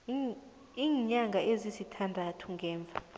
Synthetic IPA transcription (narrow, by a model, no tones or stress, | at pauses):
iːɲaŋɡʱaʔezizitʰandʱatʰuŋɡʱɛːɱb̪vʱa̰